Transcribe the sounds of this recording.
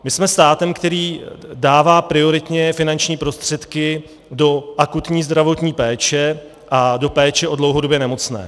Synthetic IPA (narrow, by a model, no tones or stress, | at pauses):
mɪsmɛst̪aːt̪ɛmkt̪ɛɾiːdaːvaːpɾɪo̞ɾɪt̪ɲɛfɪnant͡ʃɲiːpɾo̞st̪r̝̥ɛt̪kɪ | do̞ʔakut̪ɲiːzd̪ɾavo̞t̪ɲiːpɛːt͡ʃɛ | ʔado̞pɛːt͡ʃɛʔo̞dlo̞wɦo̞dobjɛnɛmo̞t͡snɛ̰ː